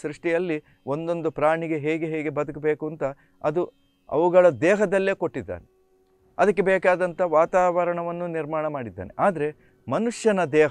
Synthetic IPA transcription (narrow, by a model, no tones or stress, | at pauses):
sɾiʂʈijɐlːi | o̞nd̪o̞nd̪upɾaːɳiɡe̞ɦeːɡeɦeːɡe̞bɐd̪ɐkbeːkuɐnt̪ɐ | ɐd̪u | ɐ̰ʋuɡɐɭɐd̪ɛːɦɐd̪ɐlːe̞ːko̞ʈːid̪ːa̰ːne | ɐd̪ɐk̬ːe̞bɛːkaːd̪ɐnt̪ʰɐʋaːt̪aːʋɐɾɐɳɐʋɐnːuniɾmaːɳɐmaːɽid̪ːa̰ːneʔaːd̪ɐɾe̞ | mɐnuʂjɐnɐd̪ɛːɦ